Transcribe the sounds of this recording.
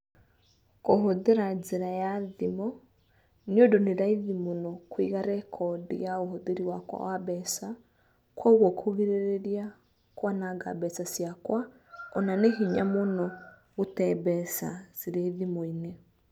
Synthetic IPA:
koɦoðeɾazeɾajaðimɔ | niodoneɾaiðimonɔkwḭɣaɾɛkʰɔdḭjaoɦoðeɾiwakwa̰waβɛsa | kwauɣɔkʰoɣiɾeɾeɾja | kwanaɡa̰bɛsasjakwa | ɔnaneɦiɲamonɔ | ɣotɛβɛsa̰z̥iɾeðimoine

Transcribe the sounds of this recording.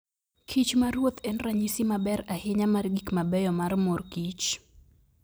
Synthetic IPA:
kʰit͡ʃmaɾuɔt̪ɛnɾaɲisimabɛɾahiɲamaɾɡikmabɛjɔmaɾmɔɾkit͡ʃ

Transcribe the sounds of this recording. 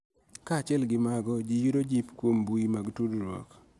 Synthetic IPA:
kat͡ʃɛlɡɪmaɡɔd͡ʒijuɾod͡ʒipkwombuimaɡtudɾwo̰k

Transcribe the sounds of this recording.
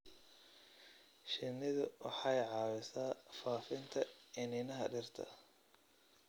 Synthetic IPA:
ʃɪnːɪðʊwɑ̰ħɑjʕɑːwɪsaːfaːfɪnt̪ʰɐɪnɪnɐɦɐɖɪrt̪ʰɐ̰

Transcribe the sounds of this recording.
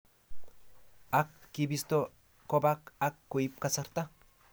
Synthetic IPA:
akːibist̪o | kobakakːuip̚kasaɾt̪a

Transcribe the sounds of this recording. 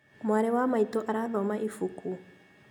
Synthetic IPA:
maɾɛwamaitɔʔaɾaðɔmaʔifuku

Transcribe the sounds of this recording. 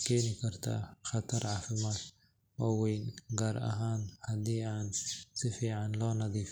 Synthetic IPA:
kʰɛːnɪkʰɐrt̪ʰa̰xɑt̪ʰɐɾʕɑːfɪmaːd̪ | ʔɔːwɛjnɡaːɾɐ̰ɦaːnhɐd̪iːaːnsɪfiːʕɑnlɔːnɐðiːf

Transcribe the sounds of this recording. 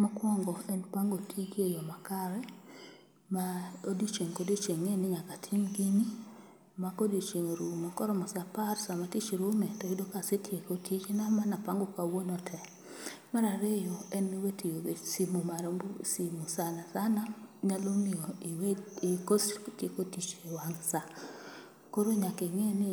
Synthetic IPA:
makwɔŋɡɔɛnpaŋɡotʰikejɔmakaɾɛ | maodit͡ʃeŋkodit͡ʃeŋenɪŋakatʰimɡini | makodit͡ʃeŋeɾumakɔɾɔmɔsaparsamatit͡ʃɾʊmɛtɔidokasetʰjekotʰit͡ʃnamanapaŋɡokawonɔtʰɛ | maɾaɾejoɛniwetijoesimumaɾsimusanasanaɲalomɪoiwekostjekotit͡ʃewaŋsa | koɾoɲakeŋenɪ

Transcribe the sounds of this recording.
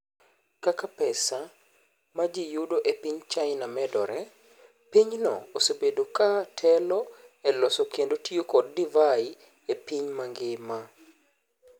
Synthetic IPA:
kakapɛsa | mad͡ʒijudoʔepiɲt͡ʃaɪnamɛdɔ̰ɾɛ | piɲnɔ̰osobedokatʰɛlɔɛlɔsokjendotiokɔd̚ːivaɪ | epiɲmaŋɡɪma

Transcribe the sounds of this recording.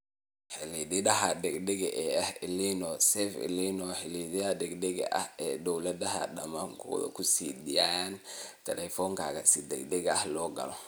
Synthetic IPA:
ħɪliðɪðɐɦɐd̪ɛɡd̪ɛɣɐʔɛːɐhɪlinɔsɛfɪ̰linɔħɪliðɪɐd̪ɛɡd̪ɛɣɐ̰ʔɐ̰hɛːd̪ɔwlɐdɐɦɐ̰dɐmaŋkʰɔ̰ːðɔ̰kʰʊsiːd̪ijaːjant̪ʰɛlɛfɔŋkʰaːɣɐsɪd̪ɛɡd̪ɛɣɐɐhlɔːɡɐ̰lɔ

